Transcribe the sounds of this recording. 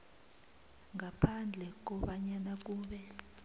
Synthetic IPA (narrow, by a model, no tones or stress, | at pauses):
ŋapʰand͡ɮʱɛk̬ɔɓaɲanak̬uːɓɛ